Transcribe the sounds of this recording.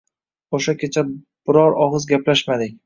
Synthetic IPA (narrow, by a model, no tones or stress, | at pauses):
oʃakʲʰet͡ʃʰa | b̥ɪɾɒɾɒʁɨzɡʲaplaʃmad̪ɪkʲ